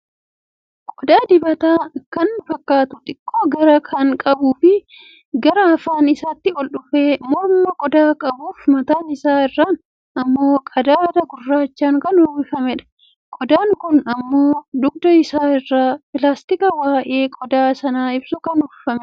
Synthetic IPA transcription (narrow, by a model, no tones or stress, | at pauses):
kʼɔd̪aːd̪ɪbɐt̪aːkɐnfɐkːaːt̪ʊt̪ʼɪkʼːoːɡɐɾɐkʰɐŋkʼɐbuːfɪ | ɡɐɾɐːfaːnɪsaːt̪ːɪɔlɗʊfeːmɔɾmmːɐkʼɔd̪aːkʼɐbuːfmɐt̪aːnɪsaːɪrːaːn | ɐmːo̞ːkʼɐd̪aːd̪ɐɡʊrːaːt͡ʃːaːŋkɐnʊbɪfɐmɛᶑɐ̥ | kʼɔd̪aːŋkʊnɐmːo̞ːd̪ʊɡd̪ɐɪsaːɪrːaːpɪlaːst̪ɪkɐwaːʔe̞ːkʼɔd̪aːsɐnaːɪbsʊkɐnʊffɐmɛ